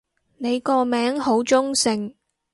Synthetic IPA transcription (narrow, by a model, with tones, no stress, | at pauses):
ne˨˧jkɔː˧mɛː˨˥ŋho˨˥wt͡sʊ˥ŋsɪ˨˩ŋ